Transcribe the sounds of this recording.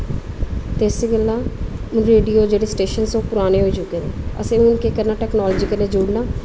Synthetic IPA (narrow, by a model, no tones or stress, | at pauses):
t̪eːseɡəlːaːʊnɾeːɖijoːd͡ʒeːɽeːsʈeːʃənsõːpʊɾaːneːɦoːit͡ʃʊkeːd̪eːə̰sẽːʊnkekəɾnaːʈɛːknɔːlːd͡ʒikəlneːd͡ʒʊɽnaː